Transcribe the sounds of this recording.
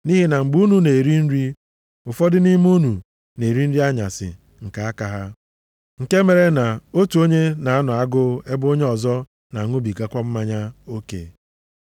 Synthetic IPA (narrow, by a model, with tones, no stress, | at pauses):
ni˦ɦi˦na˨ŋ͡m̩˨ɡ͡bu˦nu˦ne˨e˨ɾi˦n̩˦ɾi˦ | ʊ˨fɔ˦dɪ˦ni˦m˦u˦nu˨ | ne˨ɾi˦n̩˦ɾi˦a˦ɲa̰˨sɪ̰˨ | ŋ̩˨ka˨a˦ka˨ɦa˦ | ŋ̩˨ke˦me˨ɾe˦na˨o˦tu˨o˦ɲe˦na˨a˦nʊ˨a˦ɡʊ˦e˦bʊ˦o˦ɲe˦ɔ˨zɔ˦ | na˨ŋʊ˦bi˨ɡa˦kʷa˦m̩˦ma˦ɲa˦o˦kḛ˨